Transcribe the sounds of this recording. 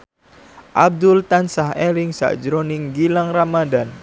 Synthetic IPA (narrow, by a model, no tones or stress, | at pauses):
ʔab̚d̪ʊlt̪ansaɦelɪŋsa̰ʔd͡ʒɾonɪŋɡilaŋramadan